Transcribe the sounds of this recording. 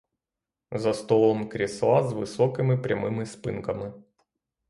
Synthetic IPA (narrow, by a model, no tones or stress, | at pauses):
zɐst̪olˠɔmkɾʲɪslˠazvɨsɔkɨmʲɪpɾʲɐmɨmɨspɨnkɐmɨ